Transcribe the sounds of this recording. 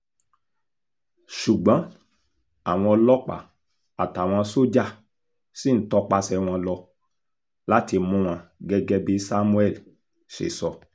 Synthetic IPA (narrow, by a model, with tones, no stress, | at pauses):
ʃu˨ɡ͡bɔ̃˨˦ | a˨w̃ɔ̃˧lɔ˦k͡pa̰˨ | a˨ta˨w̃ɔ̃˧so˦d͡ʒa˦˨ | si˦˨n̩˨˦tɔ˧˦k͡pa˧sɛ˧w̃ɔ̃˧lɔ˧ | la˦ti˧mũ˦w̃ã˧ɡɛ˦ɡɛ˦bi˦sa˦mũ˦ɛ˦˨l | ʃḛ˨sɔ˧